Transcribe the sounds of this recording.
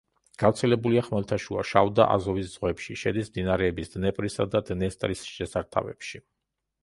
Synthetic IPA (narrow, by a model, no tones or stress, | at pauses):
ɡ̥avt̪sʰɛlɛbuliaχmɛlt̪ʰaʃuaʃavd̪aʔa̰zɔvisd̪z̥ʁwɛpʃiʃɛd̪ismd̪inaɾɛːbisd̪̥nɛpʼɾisad̪ad̪nɛst̪ʼɾisʃɛsaɾt̪ʰa̰vɛ̰pʃi